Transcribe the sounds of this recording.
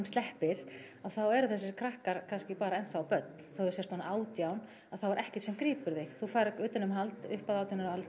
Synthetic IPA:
mst̪ɛhpɪɾ̥ | awθawɛɾʏθɛsːɪkʰɾahkaɾ̥kʰanscɪpaːɾaɛnθawpœt̪nθowɛɾsɛst̪aːnaʔaːwt̪jawn | aðθawɛɾɛhcɪt̪sɛmkɾiːpʏɾðɪxθufajɾkʏːt̪ʏnʏmɦalt̪ʏhpaðaːwt̪ʏnʏɾalt̪

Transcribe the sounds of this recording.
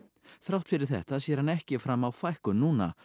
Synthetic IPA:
θɾawht̪fɪɾɪɾ̥θɛ̰ht̪aːðsjɛɾ̥hanɛhcɪfɾamːawfajhkʏnuːna̰

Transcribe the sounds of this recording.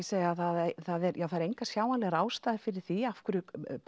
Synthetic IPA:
seːjaθaðθaðɛɾjaːwθaɾejŋkasjaːwanlɛɣɾaːwst̪aːðɪɾ̥fɪɾɪɾ̥θiafkʏɾʏkp

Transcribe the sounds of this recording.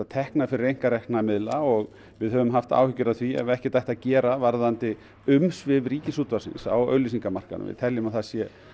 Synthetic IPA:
at̪ʰɛhknafɪɾɪrːejŋ̥kaɾɛjhknamɪðlaɔɣ | vɪðhœvʏmɦaft̪a̰ːwhʏcːʏɾaðθviɛ̰vɛhcɪt̪ajht̪acɛːɾavaɾðant̪ɪ | ʏmsvɪvriːcɪsuːt̪vasɪ̰nsa̰wœ̰ːɥlisiŋkamar̥kanʏ̰mvɪ̰ðt̪ʰɛljɪmaθasjɛ

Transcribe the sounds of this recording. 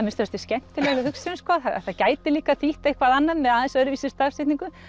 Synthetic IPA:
amɪnst̪œɾast̪ɪscɛm̥t̪ʰɪlɛːɣɪhʏksinskɔːθaa̰θaðcaːjt̪ɪliːkaθiht̪aihkvaðanːaðmɛðaːðɛnsœːɾʏviːsɪst̪asɪht̪niŋkʏ

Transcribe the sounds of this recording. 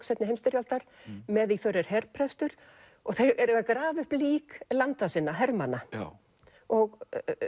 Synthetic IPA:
sɛt̪nɪɦejmst̪ɪɾjalt̪aɾ̥mɛðifœɾɪɾ̥hɛɾpʰɾɛst̪ʏɾ̥ | ɔɣθejɛɾɣakɾaːvʏhpliːklant̪asɪnːaɦɛɾmanːa | ɔɣ

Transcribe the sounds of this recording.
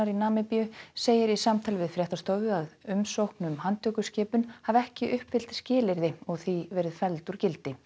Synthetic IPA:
aɾinaːmɪpijʏseːjɪɾisamt̪ʰaːlɪvɪðfɾjɛht̪ast̪oːwvʏaðʏmsowhknʏmhant̪ʰœːkʏscɪːpʏnhavɛhcɪʔʏhpvɪl̥t̪scɪːlɪɾðɪɔɣθivɛːɾɪðfɛlt̪uɾcɪlt̪ɪ

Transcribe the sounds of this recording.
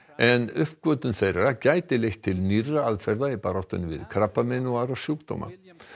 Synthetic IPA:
ɛnʏhpkvœːt̪ʏnθejɾaɾacaːjt̪ɪlext̪ʰɪlnirːaaðfɛɾðaɪpaɾɔht̪ʏnvɪ̰ðkʰɾapːamɛnaɾasjuːkt̪o̰wma̰

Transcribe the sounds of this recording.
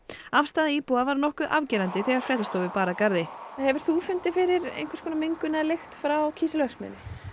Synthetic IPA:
afst̪aːðaiːpuavaɾnɔhkʏðʔavcɛːɾant̪ɪθɛɣaɾ̥fɾɛːt̪ast̪owvɪpaːɾakaɾðɪhɛvʏɾ̥θufʏnt̪ɪfɪɾɪɾḛjŋ̥kvaɾ̥skʰɔːnameŋkʏnɛðalext̪fɾawcʰiːsɪlœxsmɛ̰nɪ

